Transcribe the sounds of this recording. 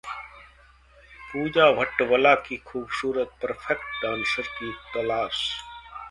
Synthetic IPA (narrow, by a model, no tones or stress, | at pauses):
puːd͡ʒaːʋəʈʋəlaːkiːxʰuːbsuːɾət̪̚pəɾfʰekʈɖãːnsəɾkiɪt̪ɪlaːs